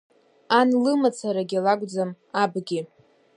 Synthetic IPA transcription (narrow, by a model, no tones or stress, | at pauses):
anlɨmat͡sʰaɾaɡʲilaɡʷʼd͡zam | abɡʲi